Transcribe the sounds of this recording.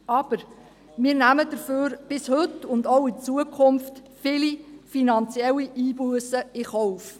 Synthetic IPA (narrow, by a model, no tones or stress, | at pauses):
ɑb̥əɾ | mɪːɾnæməd̥əɾføːɾb̥ɪshɵtʊndowɪt͡suəkʰχʊmftfɪlifinɑnt͡sjɛlːiʔiːbuəsəɪχɔʊf